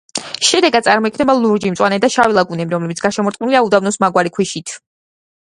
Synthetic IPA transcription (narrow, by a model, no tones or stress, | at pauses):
ʃɛd̪ɛɡad̪̥̚sʼaɾmɔikʰnɛbalˠuɾd͡ʒimt̪sʼwanɛd̪aʃavilˠaɡunɛmiɾɔmlɛbit̪sʰɡ̥aʃɛmɔɾt̪ʼniliaud̪avnɔsmaɡwaɾikʰwiʃit̪ʰ